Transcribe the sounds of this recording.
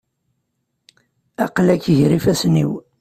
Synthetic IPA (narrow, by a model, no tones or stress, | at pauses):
ɑ̰qlækːəʝɾifæsnḭw